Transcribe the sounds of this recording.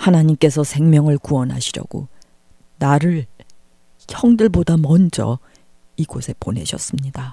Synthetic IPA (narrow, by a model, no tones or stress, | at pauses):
hanaɲimk͈e̞s̬ʰʌsʰe̞ŋmjʌŋɯɭkuʌnɦa̰ɕʰiɾjʌ̰ɡo̰ | naɾɯɭ | çjʌŋdɯɭbodamʌnd͡ʑʌ̰ | iɡosʰe̞ponɦe̞̰ɕʰʌs͈ɯmɲida